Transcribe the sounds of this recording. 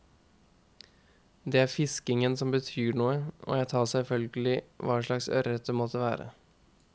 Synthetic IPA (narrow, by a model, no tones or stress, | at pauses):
d̪ɛːæːɾfɪskɪŋənsɔmbət̪ʰyːɳuːəʔo̰ːjæɪt̪ʰɑːsɛlfœlɡəlɪʋɑːʂɭɑksœ̰ɾɛt̪ːəmɔt̪ʰəʋæ̰ːɾə̰